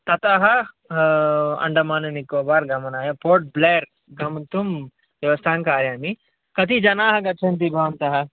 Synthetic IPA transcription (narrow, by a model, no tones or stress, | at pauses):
t̪ɐt̪ɐɦɐ | ɐ̰ɳɖɐmaːnɐnikoːbaːɾɡɐmɐnaːjɐpoːɾʈ̚bleːɾ | ɡɐmɐt̪um | ʋɐʋɐst̪ʰaːŋkaːɾjaːmi | kɐt̪id͡ʒɐnaːɦɐɡɐt͡ʃʰɐnt̪̬ibʱɐʋɐnt̪ɐɦɐ